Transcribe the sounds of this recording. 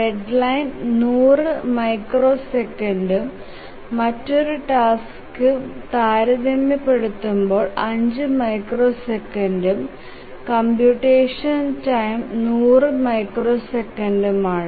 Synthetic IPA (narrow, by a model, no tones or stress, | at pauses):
reɖlɐjnnuːrɨmɐjkro̞ːsekːɐndumː | ɐtːo̞ɾuʈaːs | kːɨt̪aːɾɐðɐmːɐpːe̞ɽut̪ːumbo̞ːɭɐɲd͡ʑɨmɐjkro̞ːsekːɐndum | kɐmbjuʈːeːʂɐntɐjmnuːrɨmɐjkroːsekːɐnɖumaːɳɨ